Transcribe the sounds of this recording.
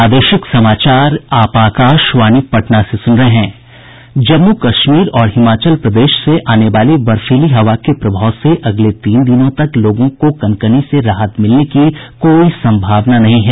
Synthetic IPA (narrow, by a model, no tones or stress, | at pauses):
aːd̪əʃɪksɐmaːt͡ʃaːɾaːpaːkaːʃʋaːnipɐʈnasesʊ̃nɾɐɦɛ̃ː | d͡ʒɐmːukɐʃmiːɾɔːɾɦɪmaːt͡ʃəlpɾɐd̪eːʃseʔaːneʋaːliʋɐɾfiːliɦɐʋakepɾɐbʱaːʊseʔɐɡlet̪iːnd̪ɪnõt̪ɐkloːɡõkokɐnkəniseɾaːɦət̪mɪlnekikoːisɐ̃mbʱaːʋnanɐɦĩɦɛː